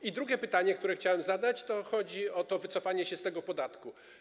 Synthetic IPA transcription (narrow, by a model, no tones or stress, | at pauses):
id̪ɾuɡʲɛpɘt̪aɲɛkt̪uɾɛxt͡ɕawɛmzad̪at͡ɕt̪ɔxɔd͡ʑiɔt̪ɔvɘt̪sɔfaɲɛɕɛst̪ɛɡɔpɔd̪at̪ku